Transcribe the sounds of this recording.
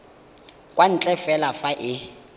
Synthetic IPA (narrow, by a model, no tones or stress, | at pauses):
kʼwan̩t͡ɬʼɛfɛlafaʔɪ